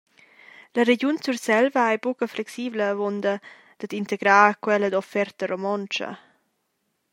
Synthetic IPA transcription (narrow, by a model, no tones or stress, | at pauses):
ləɾeɟunt͡sursɛlvəajbukəflɛksiːbləːvond̪ə | d̪̥ad̪int̪eɡɾaːkwɛləd̪ɔfɛrt̪əɾomɔnt͡ʃə̰